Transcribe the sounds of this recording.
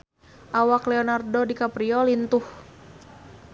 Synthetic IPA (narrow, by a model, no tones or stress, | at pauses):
ʔawaklɛɔnardodikapɾiɔlint̪uh